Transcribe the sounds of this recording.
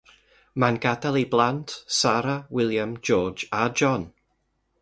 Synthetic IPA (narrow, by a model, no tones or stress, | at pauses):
manɡadalˠiblˠantsaɾawɪlˠjamd͡ʒɔːd͡ʒad͡ʒɔn